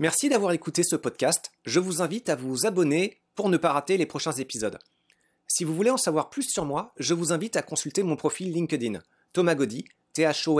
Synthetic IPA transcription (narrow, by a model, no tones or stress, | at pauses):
mɛʁsid̪avwaʁekut̪esəpɔd̪̚kʲast̪ʒəvuzɛ̃vit̪avuzabɔne | puʁnəpaʁat̪elepχɔʃɛ̃zepizɔd̪ | sivuvuleɑ̃savwaʁplysːyʁmwaʒəvuzɛ̃vit̪akɔ̃sylt̪emɔ̃pχɔfilːĩŋkʲəd̪in | t̪ɔmaɡɔd̪i | t̪eaʃo